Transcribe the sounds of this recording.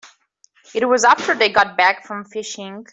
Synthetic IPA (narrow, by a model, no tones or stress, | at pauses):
ɨt̚wʌzaftə˞ðeɪɡɑt̚b̥ækfɹə̃ɱfɪʃɪ̃ŋ